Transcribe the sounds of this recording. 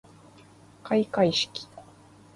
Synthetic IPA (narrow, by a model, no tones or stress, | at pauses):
kajkajʃki̥